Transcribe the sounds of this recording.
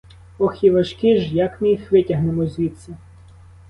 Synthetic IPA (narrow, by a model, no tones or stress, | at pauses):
ɔxʲiʋɐʃkɪʒjɐkmɪjixʋɪtʲɐɦnemɔzʲʋʲit̪sɐ